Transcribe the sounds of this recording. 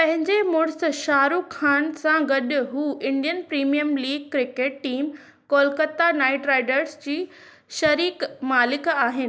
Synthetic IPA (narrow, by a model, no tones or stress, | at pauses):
pɐ̃ɦɪ̃ɲd͡ʑemʊɽ̃sʃaːɾukʰːaːnsãɡɐɗɦuːʔɪ̃ɳɖijənpɾiːmijəmliːɡ̚kɾɪkeːʈːiːm | koːlkət̪ːanaːɪʈɾaːɪɖəɾsd͡ʑiː | ʃɐɾiːkmaːlɪkaːɦɪnɪ̆